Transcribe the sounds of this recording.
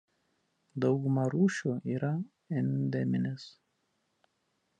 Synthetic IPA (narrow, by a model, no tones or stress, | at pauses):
d̪ɒʊɡʊmɐɾuːʃʲuːiːɾɐ | ɛnʲd̪ʲɛmʲɪnʲɪs